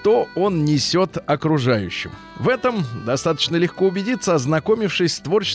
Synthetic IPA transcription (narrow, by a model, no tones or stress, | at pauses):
t̪oo̞nnʲɪsʲo̞t̪ɐkɾʊʐajʉ̰ɕːɪ̰m | vɛt̪əmd̪ɐst̪at̪ə̥t͡ɕnəlʲɪxkoʊbʲɪdʲit̪səɐznɐko̞mʲɪfʂɨsʲst̪vo̞rt͡ɕɪ